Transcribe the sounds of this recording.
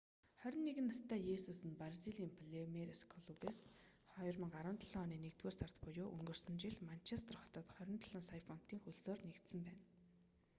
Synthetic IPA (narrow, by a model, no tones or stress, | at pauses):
χœɾʲɪ̆nːeɣɘ̆nːast̪æːjesusɘ̆nparsiɮiːmpʰɮemeɾeskʰɔɮupes | χɔjrmə̆ŋɢaɾə̆nt̪ʰəɮɔniːnekt̪weːrsart̪pʊjoːʔɵŋɡɵ̆rsɵ̆mt͡ɕiɮman̥t͡ɕʰest̪ʰə̆rχɔ̥t̪ɞ̆t̪χœɾʲɪ̆nt̪ʰəɮə̆ŋsajfɔn̥t̪iːŋxɵɮsoːrnekt̪sə̆mpæːn